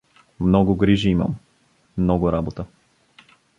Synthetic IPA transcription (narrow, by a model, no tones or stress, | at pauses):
mnɔɡʊɡɾiʒiimə̰mː | nɔɡʊɾabot̪ə